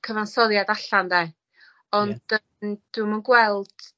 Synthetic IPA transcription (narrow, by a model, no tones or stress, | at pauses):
kʰəvansɔðjadaɬandɛ | ɔndə | d̥umənɡwɛlˠd̥